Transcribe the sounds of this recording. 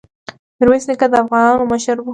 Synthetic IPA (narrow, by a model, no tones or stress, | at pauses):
ɾweslɪkad̪əafɣɑnɑnoməʃəɾbu